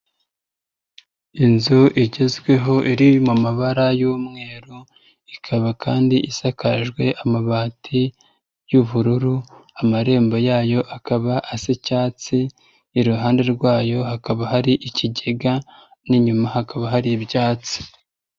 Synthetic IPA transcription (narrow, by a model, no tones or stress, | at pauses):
inzuʔiɟe̞zɡwe̞ɦo̞ʔiɾimumaβaɾajuːmŋe̞ːɾu | ikʰaβakʰaːndiʔisakaʒɡwe̞ʔamaβaːtʰi | juβuɾuɾuamaɾe̞ːmbo̞jaːjo̞ʔakaβaʔasicaːt͡siː | ɾuɦaːnde̞ɾɡwaːjo̞hakaβaɦaɾiʔiciɟe̞ɡa | niɲumahakaβaɦaɾibjaːt͡si̥